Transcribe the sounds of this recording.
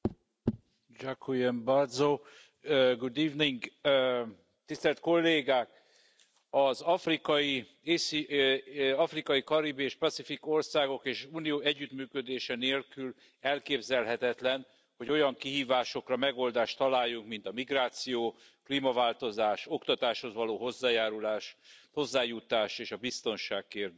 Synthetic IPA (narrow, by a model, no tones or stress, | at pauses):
d͡ʒakʰːujembɒrd̪zo | ɡud̪iːvniŋɡ | t̪ist̪ɛlt̪̚ko̞lːeːɡaːk | ɒzɒfrikɒji | eːsi | ɒfrikɒjikɒɾibieːʃpɒt̪sifiko̞rsaːɡo̞keːʃuːnijoːɛɟːyt̪myːkød̪eːʃɛneːlkyl | ɛlkeːbzɛlɦɛt̪ɛt̪lɛn | ho̞ɟo̞jɒŋkiɦiːvaːʃo̞krɒmɛɡo̞ld̪aːʃt̪ːɒlaːjːuŋkmint̪ɒmiɡraːt̪sijoː | kliːmɒvaːlt̪o̞zaːʃo̞kt̪ɒt̪aːʃho̞zvɒloːɦo̞zːaːjaːɾulaːʃho̞zːaːjut̪aːʃeːʃɒbist̪o̞nʃaːkkeːrd̪